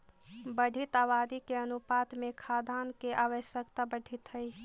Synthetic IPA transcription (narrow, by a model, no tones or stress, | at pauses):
bəɖʱit̪aːbad̪ikeənupat̪mẽkʰad̪ʱaːnkeʔaːʋəʃjəkt̪abəɽʱit̪ɦəj